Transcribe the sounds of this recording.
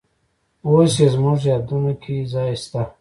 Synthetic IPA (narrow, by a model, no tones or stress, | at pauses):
oːsezmuʐjaːd̪unokʰizaist̪a